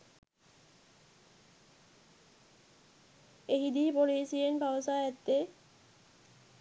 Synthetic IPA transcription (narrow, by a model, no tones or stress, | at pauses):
eɦid̪ipoɾesienbʱawosaɛt̪ːe